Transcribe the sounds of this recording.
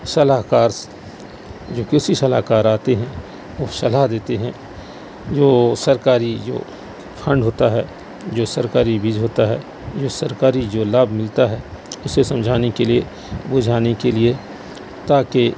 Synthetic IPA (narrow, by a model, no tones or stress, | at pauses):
sɐlaɦkaːɾs | d͡ʒoːkɪsisɐlaːkaːɾaːt̪eɦɛ̃ | osɐlaɦd̪eːt̪eɦɛ̃ | d͡ʒoːsɐɾkaːɾid͡ʒo̰ː | pʰɐ̃ɳɖɦoːt̪aɦɛː | d͡ʒoːsɐɾkaːɾibʱiːd͡ʒɦoːt̪aɦɛ̰ː | d͡ʒoːsɐɾkaːɾid͡ʒoːlaːbʱmɪlt̪aɦɛːʊsesɐ̃md͡ʒʱaːnekelie | bʊd͡ʒʱaːnekelie | t̪aːke